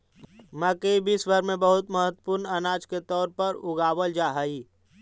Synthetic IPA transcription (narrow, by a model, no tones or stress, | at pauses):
məkeibʱisbʱəɾmẽbəɦʊt̪məɦət̪wə̥pʊɾnənaːd͡ʒket̪ɔːɾpəɾʊɡaːwəld͡ʒaːɦəiː